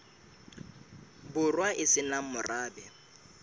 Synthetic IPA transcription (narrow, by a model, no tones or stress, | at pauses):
bʊrwaʔɪsɪnamʊraːbɛ